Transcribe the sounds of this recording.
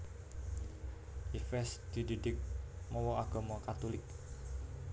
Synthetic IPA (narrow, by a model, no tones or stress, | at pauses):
ʔifɛsd̪̥i̤didɪk̚mɔwɔaɡ̥ɔ̤mɔkat̪ulɪk̚